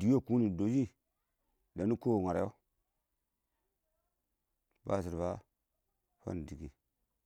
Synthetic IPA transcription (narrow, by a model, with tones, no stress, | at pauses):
di˨˦o˦˨ku˦ni˨do˨d͡ʒi˦ | da˨nu˦ko˦˨ŋa˨ɾa̰˨jo˦ | ba̰˦˨s̬i˨ɾba˦ | fa̰˦n˨di˨ɡi˨